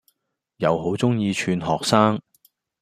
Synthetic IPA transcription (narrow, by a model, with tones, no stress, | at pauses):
jɐ˨˧wɦo˨˥wt͡sʊ˥ŋjiː˧t͡ʃʰyː˨˧nɦɔː˨k̚saː˥ŋ